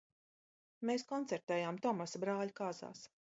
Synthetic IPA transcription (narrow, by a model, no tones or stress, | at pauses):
meːskɔnt̪sɛɾt̪ɛːjaːmt̪ɔmasbɾaːʎkaːza̰ːs